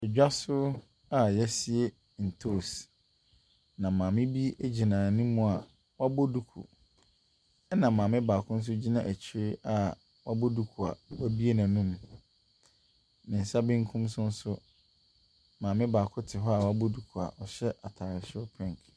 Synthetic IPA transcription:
ɛ˨d͡ʑᶣa˦sʊ˦ | a˨jɛ˦si˦e˦ | n̩˨tʰo˦˨s | nã˨mãː˨mɪ̃˦bi˦æ˦d͡ʑi˨nãː˨nɪ̃˦mũ˦a˨ | wa˦bo˦du˨kʰṵ˨ | ɛ˦nã˨mːãː˨mɪ̃˦baː˨kʰʊ̃˦n̩˦s̬ʊ˦d͡ʑi˦nã˨ʔæ˨t͡ɕʰi˨ɾɪ˦a˨ | wʔa˦bo˦du˦kʰu˨a̰˨wæ˦bi˦e˦nã˨nũ˦m | nɪ̃˨n̩˨sa˦bɪ̃˦ŋ˦kʰũ˦msʊ̃˦n̩˦sʊ˦ | mãː˨mɪ̃˦baː˨kʰʊ˦tʰɪ˨ɦɔ˦a˨wa˦bo˦du˨kʰu˨a̰˨ʔɔ˨ɕɛ˦ʔa˨tʰaː˨ɾɪ˨sɪ˦ʊ˦pʰɛ̃˦ŋ˨k

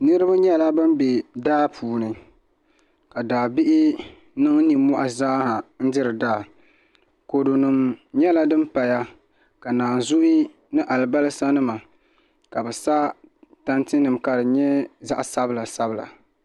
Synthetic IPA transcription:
nɨ˦ɾɨ˦ba˦ɲɛ˦la˦bɨ˦mbe˨daː˦pʰuː˨nɨ˨ | ka˨daː˨bi˦ʔɪ˦ | nɨ˦ŋni˨mɔ˦ʔa˨zaː˦ha˨n̩˦dɪ˦ɾɨ˨daː˦˨ | ko˨do˨nɨ˨mɲɛ˦la˦dɨ˦mpa˨ja˦ | ka˨naː˨nzʊ˦ʔi˦ | nɨ˦ʔa˨lɨ˨ba˦lɨ˦sa˦nɨ˦ma˨ | ka˨bɛ˨sa˦ta˦ntɨ˦nɨ˨mka˨dɨ˨ɲɛ˦za̰˦ʔsa˦bɨ˨la˨sa˦bla̰˨

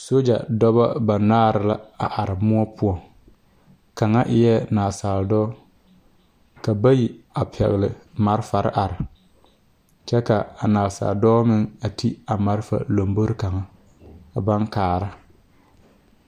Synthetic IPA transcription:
so˦d͡ʒa̰˨dɔ˦ba˦ba˨naː˦ɾɪ˦la˦a˨ʔa˨ɾɪ˨mʊ˦ɔ˦pʰʊ˦ɔ˨ | ka˨ŋa˦ʔɪ˦jɛ˦naː˨saː˨ldɔː˦ | ka˨ba˦ji˨a˨pʰɛ̰˨ɣɪ˨lɪ̰˨ma˨ɾɪ˦fa˨ɾɪ̰˦ʔa˨ɾɪ˨ | t͡ʃɛ˦ka˨a˨naː˨lsa̰˨ldɔː˦mɪ˦ŋa˨tʰi˦a˨ma˦ɾfa̰˨lo˨mbo˦ɾɪ˦ka˨ŋa˨ | a˨ba˦ŋkaː˨ɾa˦

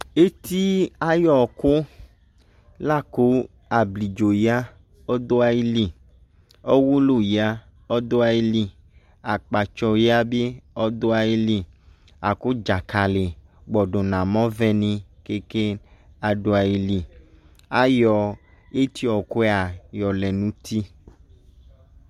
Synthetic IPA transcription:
e˦ti˦a˦jɔ˨kʊ˦ | la˦˨ku˦ | a˨bli˨d͡ʒo˨ja˦ | ɔ˦d̪o˦a˦ji˦li˨ | ɔ˦wu˦lu˨ja˦ | ɔ˦do˦a˧ji˧li˨ | a˨k͡pa˨t͡ʃɔ˧ja˦be˦ɔ˦d̪o˦a˨ji˦li˦ | a˨ko˦d͡ʒa˨ka˨le˨ɡ͡bɔ˨ɖo˨nã˨mɔ̃˦vɛ˦nĩ˦ke˦ke˦a˨ɖo˨a˨ji˨li˨ | a˦jɔ˨ | e˦t̪i˦ɔ˨ko˦ɛ˦a˨jɔ˨lɛ˨nũ˦t̪i˦

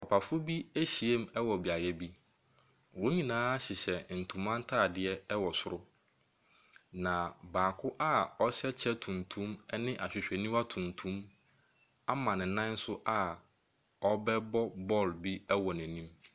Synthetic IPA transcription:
ɔ˨pʰa˨fʊ˦bi˦æ˦ɕi˨e˦m˦ɛ˦wɔ˨bi˨a˨jɛ˨bi˦ | wõ˦ɲĩ˨nãː˦ɕɪ˨ɕɛ˨n̩˨tʰũ˨mã˦n̩˦tʰaː˦˨dɪ˨ɛ˦ɛ˦wɔ˨sʊ˦ɾʊ˦ | nã˨baː˨kʰʊ˦ʔa˦ɔ˦ɕɛ˦t͡ɕʰɛ˦tʰũ˨ntʰũ˦mɛ˦nɪ̃˦ʔa˨ɕᶣɪ˨ɕᶣɛ˨nĩ˦wa˦tʰũ˨ntʰũ˦m | a˦mã˨nɪ̃˨nã˦n̩˦sʊ˦ʔa˨ | ɔ˦bɛ˦bɔ˦bɔ˦˨lbi˦ɛ˦wɔ˨næ̃˨nĩ˦m

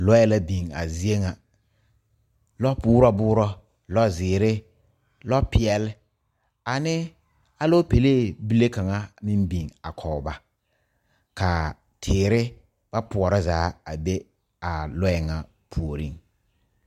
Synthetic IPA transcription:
lɔ˦ɛ˨la˦bi˨ŋa̰˨zi˦e˦ŋa˨ | lɔ˦bʊː˦ɾɔ˦bʊː˦ɾɔ˦ | lɔ˦zɪː˨ɾɪ˦ | lɔ˦pɪ˨ɛ˨lɪ˦ | a˨nɪ˦ | a˦lɔ˦pe˨le˦bi˦le˦ka˨ŋa˦mɪ˦mbi˨ŋa˨kʰɔ˨ba˨ | ka˨ | tʰɪː˨ɾɪ˦ | b̥a˦pʊ˨ɔ˨ɾa˦zaː˨˦a˨be˦ | a˨lɔ˦ɛ˨ŋa˨ | pʰu˨o˨ɾi˦ŋ

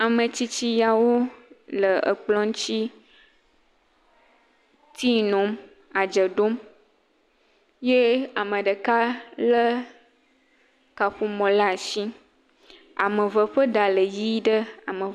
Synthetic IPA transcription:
a˨mə̃˨t͡ɕi˦t͡ɕi˦ja˨wo˦lə˨ə̰˨k͡plɔ̃˦ŋ˦t͡ʃi˦ | t̪i˦nɔ̃˨˦m | a˨d͡ʒə˨ɖo˦m | je˦a˨mə̃˨ɖə˨ka˦lə˦ | ka˨ɸu˦mɔ̃˨la˦˨ʃi˦ | a̰˨mə̃˨və˨ɸə˦ɖa˨lə˨ji˦ɖə˦a˨mə̃˨

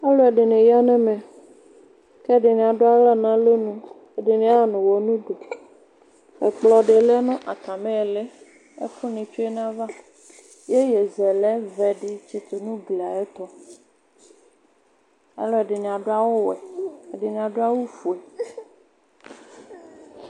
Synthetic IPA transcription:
ɛ˦lɔ˦ɛ˨ɖɪ˨nẽ˨ja˦nɛ̃˦mɛ̃˨ | kɛ˦ɖɪ˨nĩ˨a˨ɖo˦a˦lɛ˦nã˦lo˦nũ˦ | e˨ɖɪ˨nĩ˦a˦˨nũ˨wo˨nũ˦ɖo˨ | ḛ˨k͡plɔ˨ɖe˨lɛ˦nɔ̃˦ʔa˨t̪a˨mẽ˦˨le˦ | e˦kʰu˦nĩ˨t͡ʃi˦e˦n˦ã˦va˦ | je˦je˨zɛ˨lɛ˦vɛ˨ɖi˦t͡ʃi˦t̪o˨nũ˦ɡli˨a˨e˦t̪ɔ˦ | ḛ˦lɔ˦e˨ɖɪ˨nĩ˨a˨ɖo˦a˦wo˦wɛ˨e˨ɖɪ˨nĩ˨a˨ɖo˦a˦wo˦fu˨ɛ˨

